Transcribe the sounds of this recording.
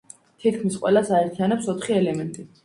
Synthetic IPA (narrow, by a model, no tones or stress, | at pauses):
t̪ʰit̪̚ʰkʰmisqʼwɛ̰lasaɛɾt̪ʰianɛpsɔt̪χiɛlɛmɛnt̪ʼi